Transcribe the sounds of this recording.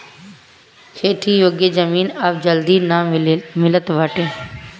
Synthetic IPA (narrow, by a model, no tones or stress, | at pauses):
kʰeːʈ̪ʰijoːɡjəd͡ʒəmiːnɐbd͡ʒəld̪iːnamɪlət̪ʋəʈeː